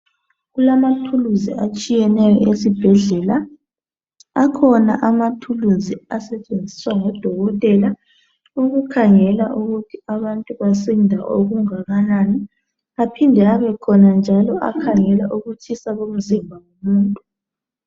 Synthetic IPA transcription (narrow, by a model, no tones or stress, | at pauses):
ɣulamatʰuluziat͡ʃʼijɛnɛjɔ̰ʔesib̥ʱɛɮɛla | kʰɔnaʔamatʰuluziasɛt͡ʃʼend͡zʱi̥swaŋɔd̥ʱɔɣɔtʼɛla | uɣukʰaŋɛlaʔuɣutʰiaβantʼuβasindʱa̰ʔo̰ɣuŋaɣanani | apʰindʱɛaβɛkʰɔnand͡ʒʱalɔʔa̰kʰaŋɛlaʔuɣut͡ʃʰisaβom̩zimbʱaŋomuːntʼu